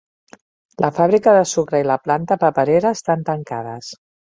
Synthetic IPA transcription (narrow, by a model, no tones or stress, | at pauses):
lʔəfaβ̞ɾikəðəsukɾəiləplant̪əpəpəɾeɾəːst̪ant̪əŋkaðə̰s